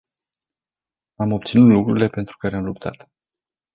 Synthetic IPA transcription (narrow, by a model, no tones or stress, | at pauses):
amo̞p̚t̪sinut̪lukɾuɾile̞pe̞nt̪ɾu̥kaɾe̞amlup̚t̪ʰa̰t̪